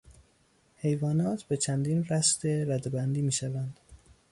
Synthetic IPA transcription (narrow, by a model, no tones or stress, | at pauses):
he̞jvɒːnɒːt̪ʰbe̞t͡ʃʰænd̪iːnɾæst̪eɾæd̪ebænd̪iːmiːʃævænd̪̥